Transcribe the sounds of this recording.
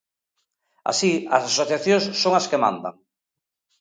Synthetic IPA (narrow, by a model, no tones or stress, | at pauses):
a̰siɐsasoθjaθjosːoŋaskemã̰nd̪a̰ŋ